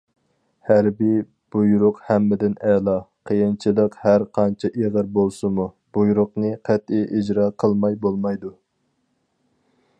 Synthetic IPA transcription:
hæɾbi | b̥ujɾʊqhæmːɪd̪ɪnɛlˠɑqʰəjint͡ʃʰilˠəqhæɾqʰɑnt͡ʃʰɛʔeʁəɾbolˠsɨmu | b̥ujɾʊqnɨqʰɛt̪iʔid͡ʒɾɑqʰəlˠmɑjbolˠmɑjd̪u

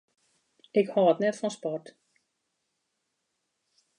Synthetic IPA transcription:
ɪkhɔətnɛtfɔnspɔrt

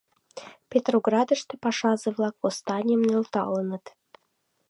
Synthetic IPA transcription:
pʲet̪roɡrɑd̪ə̆ʃt̪ĕpɑʃɑzeβlɑkvost̪ɑnʲijəmnelt̪ɑ̰lənə̆t̪

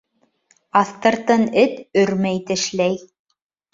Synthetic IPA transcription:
ɑθt̪ɤ̆ɾt̪ɤnɘt̪ɵɾmæjt̪ɘ̆ʃlæj

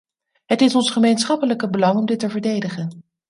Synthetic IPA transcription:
ɦətɪsɔnsχəmejnsχɑpələkəbəlɑŋɔmdɪtəvəɹdejdəχən

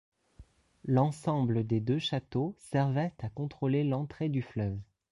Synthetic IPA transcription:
lɑ̃sɑ̃bləd̪ed̪øʃat̪osɛʁvɛt̪akɔ̃t̪χolelɑ̃t̪χed̪yflœv

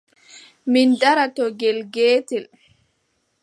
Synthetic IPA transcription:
mindaɾatɔɡɛlɡeːtɛl

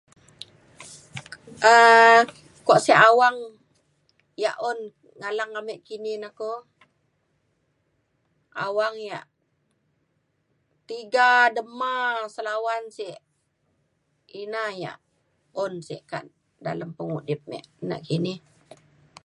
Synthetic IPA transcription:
ʔə | koʔsiʔawaŋ | ja̰ʔɔn | ŋalaŋamɛʔkininako | a̰waŋjaʔ | t̪iɡadəmasəlawansiʔ | inaja̰ʔ | ɔnsḭʔka̰ʔ | da̰ləmpəŋudɪp̚mɛ̰ʔna̰ʔkinɪh

